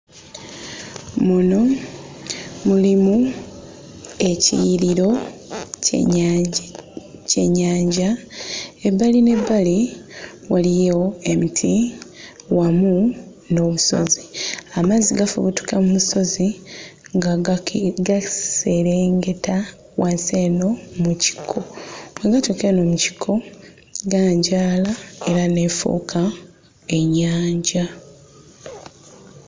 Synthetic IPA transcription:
muno̞ | mulimu | e̞cḭjɾiɾo̞̰ | ce̞ɲːaːɲɟa | ebːaline̞bːali | walijo̞e̞mitʰi | wamu | no̞ːβuso̞̰ziamaziɡafṵβutu̥kamumuso̞ziŋɡ | ɡase̞ɾeːŋɡe̞ta | wase̞ːno̞muci̥kʰoweɡatukeno̞ːmuci̥kʰo̞ | ɡaːɲɟaːlae̞ɾane̞fo̰ːkʰa | e̞ɲːaːɲɟa

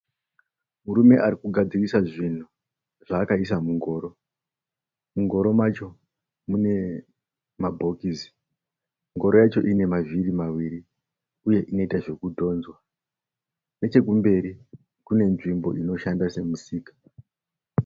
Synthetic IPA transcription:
muɾume̞ʔaɾikuɡʱad͡zirisaʐin̤u | ʐ̥aːkaisamuŋɡo̞ːɾo̞ | muŋɡo̞ɾo̞mat͡ʃo̞ | mune̞ | mabʱo̞kizi | ŋɡo̞ɾo̞jat͡ʃo̞ʔine̞mavirimawiɾi | uje̞ʔino̞itaʐe̞kudʱo̞ːnzwa | ne̞t͡ʃe̞k̬umbe̞ɾi | kune̞nʐimbo̞̰ino̞ʃandase̞musiːkḁ

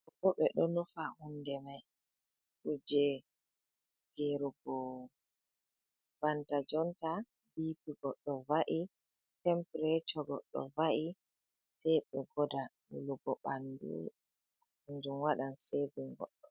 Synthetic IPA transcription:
ɔbɔɓɛɗɔnufahundɛmaj | ʔud͡ʒɛ | ɡ̥eɾuɡɔ | b̥antad͡ʒɔnta | biːpiɡɔɗɔvaʔi | tɛmpɾɛt͡ʃɔɡɔɗɔ̰vaʔi | sɛjɓɛɡɔdaɗṵluɡɔɓandṵ | ɲd͡ʒumwaɗansediŋɡɔ̰ɗːɔ

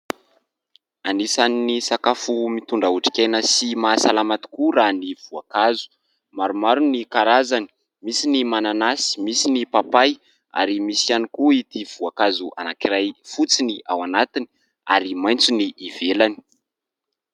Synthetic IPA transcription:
anisaninisakafumit̪uɳɖ͡ʐauʈ͡ʂi̥kʲajnəsimasalamat̪i̥kuɾaniv̥uakazu̥ | maɾumaɾunikaɾazani̥ | misinimananasi̥misinipapaj | a̰ɾimisianikuit̪iv̥uakazuʔa̰nakiɾajfut͡siniʔawanat̪ini̥ | a̰ɾimaj̃nt͡suniʔːvelani̥

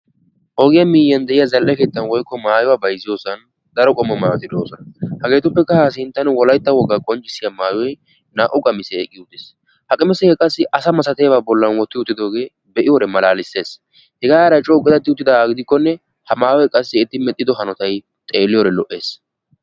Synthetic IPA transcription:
ʔoːɡɪjɐmiːjɐnd̪ɛʔɪjɐzɐlʔɛke̞ːt̪ːɐnwɔjkːɔmaːjʊwabɐjzːɪjo̞ːsɐn | d̪ɐɾɔkʼɔmːɐmaːt̪ːɪd̪oːsɔnɐhɐɡe̞ːt̪ʊpːɛkːɐhas̬ɪnt̪ːɐnwɔlɐjt̪ːɐwɔɡːakʼɔnt͡ʃʼɪsːɪjɐmaːjɔj | naːʔʊkʼɐmɪsɛːkʼːɪʊt̪ːɪs | hɐkʼɪmɛsɛɛkʼɐsːɪʔɐsɐmɐsɐt̪ebaːbɔlːɐnwɔt̪ːɪʊt̪ːɪd̪o̞ːɡe̞ː | bɛʔɪjɔɾɛmɐlaːlɪsːe̞ːs | hɛɡaːaɾɐt͡ʃʼɔʊkʼɪd̪ɐt̪ːɪʊt̪ːɪd̪ɐɡɪd̪ɪkːɔnːɛ | hɐmaːjɔjkʼɐsːɪɪt̪ːɪmɛt̪ʼːɪd̪ɔɦɐnɔt̪ɐj | t̪ʼe̞ːlːɪjoːɾɛlɔʔe̞ːs

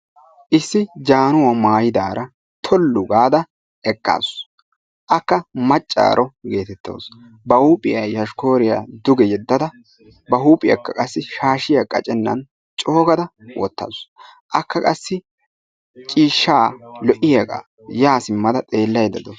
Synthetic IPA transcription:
ʔɪsːɪd͡ʒaːnʊwamaːjɪd̪aːɾʔɐ | t̪ʰɔlːʊɡaːd̪ɐ | ɛkʼːa̰ːs | ʔɐkːɐmɐt͡ʃʼːa̰ːɾʔɔɡe̞ːt̪ɛt̪ːo̰ːs | bɐhuːpʼɪjɐjjɐʃko̞ːɾɪja̰d̪ʊɡɛjɛd̪ːɐd̪ɐ | bɐɦuːpʼɪjɐ̰kːɐkʼɐsːɪʃaːʃɪjɐkʼːɐ̰t͡ʃʼɛnːɐ̰n | t͡ʃʼo̞ːɡɐd̪ɐwʔɔ̰t̪ːɐ̰s | ʔɐkʰːɐkʼɐsːɪ | t͡ʃʼiːʃːaːlɔʔɪjɐkʼɐ̰ | jaːsɪmːɐd̪ɐt̪ʼe̞ːlːɐjd̪ɐd̪ɔ

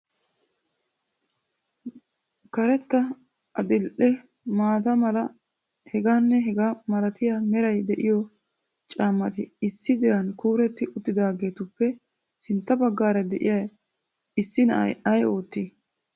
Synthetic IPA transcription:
kɐɾɛt̪ːɐ | ɐd̪ɪlʔɛ | maːt̪ɐmɐlɐ | hɛɡaːnːɛɦɡamɐlɐt̪ɪjamɛɾɐjd̪ɛʔɪjɔ | t͡ʃʼaːmːɐt̪ɪɪsːɪd̪ɪɾɐnkuːɾɛt̪ːɪʔʊt̪ːɪd̪aːɡe̞ːt̪ʊpːɛ | sɪnt̪ːɐbɐɡːaːɾɐd̪ɛʔɪ̰jɐj | ɪsːɪnɐ̰ʔɐ̰jɐjo̞ːt̪ːi

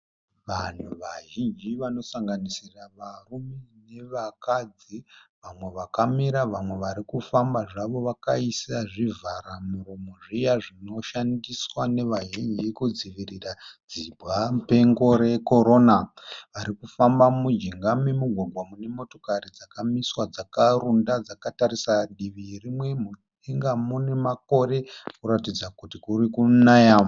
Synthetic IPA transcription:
ʋan̤uʋaʒind͡ʒiʋano̞saŋɡanisiraʋarumene̞ʋakad͡ziʋamwe̞ʋakamiɾaʋamwe̞ʋaɾikufambaʐaʋo̞ʋakaisaʐivʱaɾamuɾomo̞ʐijaʐino̞ʃandiswane̞ʋaʒind͡ʒikud͡ziʋirirad͡zibʱɣape̞ŋɡo̞ɾe̞ko̞ɾo̞naʋaɾikufambamud͡ʒiŋɡamemuɡʱwaɡʱwamune̞mo̞to̞karid͡zakamiswad͡zakarundad͡zakataɾisaɗiʋirimwe̞mu | iŋɡamune̞mako̞re̞kuɾatid͡zakutikurikunaja

